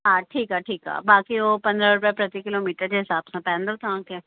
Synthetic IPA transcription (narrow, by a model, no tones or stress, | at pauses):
ɦãːʈʰiːkaːʈʰiːka̰ːbaːkioːpə̃nd̪ɾaɾʊp̬ɛpɾət̪ikɪloːmiːʈəɾd͡ʒeɦɪsaːbsãpɛ̃ːnd̪ot̪ãːkɛː